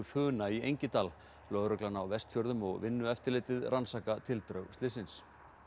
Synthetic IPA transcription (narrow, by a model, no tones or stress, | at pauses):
ʏfʏːnaiejɲcɪt̪aːl | lœɣɾʏklanawvɛst̪fjœɾðʏmɔɣvɪnːʏɛft̪ɪɾlɪːt̪ɪðransaːkat̪ʰɪlt̪ɾœɣst̪ɪsɪns